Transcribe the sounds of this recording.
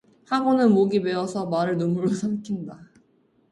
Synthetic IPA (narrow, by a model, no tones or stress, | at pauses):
haɡonɯnmoɡime̞ʌsʰʌmaɾɯɭnomuɾosʰamkʰinda